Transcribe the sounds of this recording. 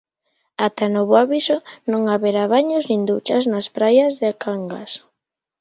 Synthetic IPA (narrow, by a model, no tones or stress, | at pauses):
at̪anoβoaβisonõŋaβeɾaβaɲoznĩnd̪ut͡ʃaznaspɾajazðɪakʰaŋɡas